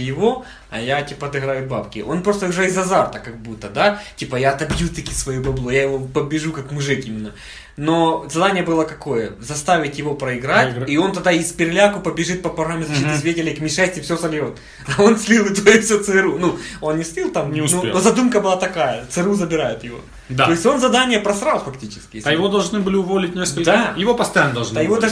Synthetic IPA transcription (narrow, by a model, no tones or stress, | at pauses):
jɪvo̞ | ɐ̰jatʲipɐɐd̪ɨɣɾajʊbapkʲɪʔo̞npɾo̞st̪əʊʐɛizɐzart̪əkɐɡ̚but̪ːəd̪atʲipəjaɐt̪ɐbjut̪ɨkʲisvɐjubɐblˠojajɪvo̞pəbʲɪʐukakmʊʐɨkʲimʲɪnːə | no̞zɐd̪anʲɪjəbɨlˠəkɐko̞jəzɐst̪avʲɪtʲjɪvo̞pɾəɪɡɾatʲio̞nt̪ɐd̪aispʲɪɾʲlʲakʊpəbʲɪʐɨt̪̚pɐpɐɾamʲɪzit̪ɨsʲvʲetʲɪlʲɪjkmʲɪʂɛsʲtʲɪfsʲosɐlʲjo̞t̪ | ɐo̞nsʲlʲilˠɪt̪ɐjifsʲot̪sɨɨɾunuo̞nnʲɪstʲilˠt̪amnʲnuzɐd̪umkəbɨlˠat̪ɐkajət̪sɨɾuzəbʲɪɾajʊt̪jɪvo̞̰ | t̪o̞ɪsʲtʲo̞nzɐd̪anʲɪjəpɾɐsɾalˠfɐktʲit͡ɕɪ̥skʲɪjesɐjɪvod̪ɐlˠʐnɨbɨlʲɪʊvolʲɪt̚ʲnʲeskəlʲd̪ajɪvopəst̪ɐjanːəd̪ɐlˠʒnajɪvo